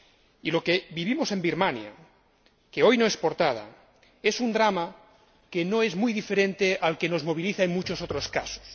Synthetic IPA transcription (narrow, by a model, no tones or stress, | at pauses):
ilo̞keβiβ̞imose̞mbiɾmanja̰ | keo̞jnoespoɾt̪að̞a̰ | e̞sund̪ɾama | kenoe̞zmujðife̞ɾẽ̞nt̪eʔalke̞no̞zmo̞β̞iliθaeŋmut͡ʃosot̪ɾoskaso̥s